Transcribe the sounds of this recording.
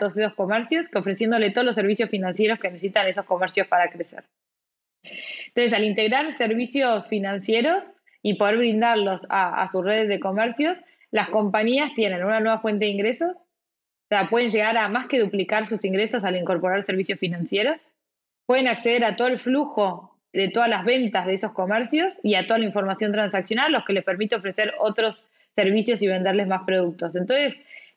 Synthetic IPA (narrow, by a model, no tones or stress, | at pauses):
t̪oðosesosko̞mɛɾsjo̞so̞fɾe̞sje̞nd̪o̞let̪o̞olos̬e̞ɾβ̞isjo̞sfinãnsje̞ɾo̞ske̞nesesit̪aneso̞sko̞meɾsjospaɾakɾesḛɾ | ent̪onse̞salint̪e̞ɣɾaɾseɾβisjo̞sfinãnsje̞ɾo̞s | ipo̞ð̞eɾβɾind̪aɾlo̞saa̰susreðezðe̞ko̞mɛɾsjo̞s | lasko̞mpaɲiast̪je̞nẽ̞nunanwe̞βafwe̞nt̪e̞ðiŋɡɾeso̞s | oseapwe̞ð̞e̞nʒe̞ɣaɾamaske̞ðuplikaɾsusiŋɡɾeso̞saliŋko̞ɾpo̞ɾaɾseɾβisjo̞sfinãnsje̞ɾos | pwe̞ð̞e̞nakseð̞eɾat̪oð̞olfluxo̞ | ðe̞t̪o̞ðalazβe̞nt̪azð̞eeso̞sko̞mɛɾsjosiat̪oð̞alaĩɱfo̞ɾmasjo̞nt̪̬ɾansaksjo̞nalːo̞hke̞lespeɾmit̪eofɾe̞se̞ɾot̪ɾo̞sː | eɾβ̞isjo̞siβ̞e̞nd̪eɾle̞zmaspɾoð̞uk̚t̪o̞sent̪o̞nse̞s